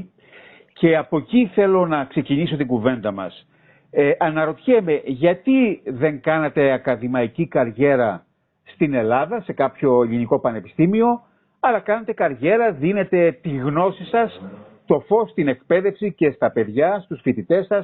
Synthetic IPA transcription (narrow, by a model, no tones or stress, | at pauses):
ce̞ɐpo̞ciθe̞lo̞nɐkse̞ciniso̞t̪iŋɡuve̞nd̪ɐmɐ̰s | ʔɐnɐɾo̞t̪çeme̞ʝɐt̪iðe̞ŋkɐnet̪e̞ɐkɐðimɐicikɐɾʝe̞ɾɐ | st̪ine̞lɐðɐse̞kɐpço̞eliniko̞pɐnepi̥st̪imio̞ | ɐlɐkɐnet̪e̞kɐɾʝe̞ɾɐðine̞t̪e̞t̪iɣno̞sisɐs | t̪o̞fo̞st̪ine̞kpe̞ðe̞fsice̞st̪ɐpe̞ðʝɐst̪usfit̪it̪e̞sɐs